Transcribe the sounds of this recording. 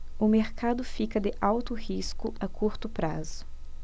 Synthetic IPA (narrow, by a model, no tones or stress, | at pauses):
ʊmeɾkad̪ʊfikɐd̪ɪʔawt̪ʊhiskʊakʰuɾt̪ʊpɾa̰zʊ